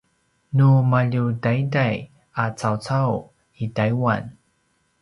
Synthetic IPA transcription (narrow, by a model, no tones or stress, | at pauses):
numaʎudajdaj | at͡sawt͡saw | itajwa̰n